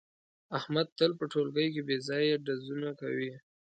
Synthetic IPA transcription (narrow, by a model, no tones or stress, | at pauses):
ahmad̪̚t̪əlpəʈolɡəjk̬ebezɑjaɖazunaka̰wi